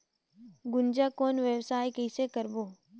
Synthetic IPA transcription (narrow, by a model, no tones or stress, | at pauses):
ɡʊnd͡ʒaːkoːnʋjəʋsaːjkeɪsekəɾboː